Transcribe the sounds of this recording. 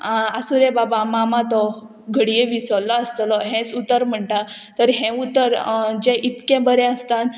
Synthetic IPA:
asuɾẽbabamamãt̪ɔ | ɡʱəɽijeʋisɔlɔəst̪lɔɦɛ̃t͡sut̪əɾm̤əɳʈat̪əɾɦɛ̃ut̪əɾd͡ʑɛ̃ʔit̪kɛ̃bəɾɛ̃əst̪at̪

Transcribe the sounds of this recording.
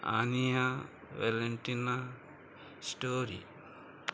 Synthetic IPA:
a̰nija | ʋeleɳʈina | sʈoːɾḭ

